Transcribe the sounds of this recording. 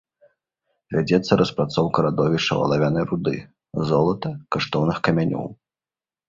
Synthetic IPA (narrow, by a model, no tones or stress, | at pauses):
vʲad͡zʲɛt̪sːɐɾɐspɾat̪sɔwkɐɾad̪ɔvʲiʂt͡ʂɐ̰vɐ̰lˠavʲanɐjɾud̪ɨ̰ | zɔlˠɐt̪ɐkaʂt̪ɔwnɨxkɐmʲanʲɔ̰w